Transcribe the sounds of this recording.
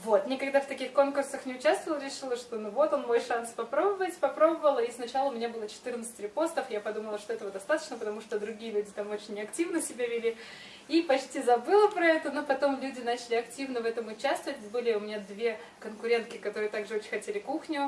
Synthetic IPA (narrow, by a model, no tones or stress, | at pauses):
vo̞t̪nʲɪkɐɡd̪aft̪ɐkʲixko̞nkʊrsəxnʲɪʊt͡ɕast̪vəlˠəɾʲɪʂɨlˠəʂt̪o̞nuvo̞t̪o̞nmo̞jʂanspɐpɾo̞bəvətʲpɐpɾo̞bəvəlˠəisnɐt͡ɕalˠəʊmʲɪnʲabɨlˠət͡ɕɪ̥t̪ɨrnət̪sɨ̥tʲɾʲɪpo̞st̪əfjapɐd̪uməlˠəʂt̪o̞ɛt̪əvəd̪ɐst̪at̪ə̥t͡ɕnəpət̪ɐmuʂt̪od̪ɾʊɡʲijəlʲʉdʲɪt̪amo̞t͡ɕɪnʲːɪɐktʲivnəsʲɪbʲavʲɪlʲi | ipɐt͡ɕtʲizɐbɨlˠəpɾɐɛt̪ənopɐt̪o̞mlʲʉdʲɪnat͡ɕɪlʲɪɐktʲivnəvɛt̪əmʊt͡ɕast̪əvət̚ʲbɨlʲɪʊmʲɪnʲad̪vʲe | kənkʊɾʲe̞nt̪kʲɪkɐt̪o̞ɾɨt̪aɡʐɨot͡ɕɪ̥nʲxɐtʲelʲɪkuxnʲʊ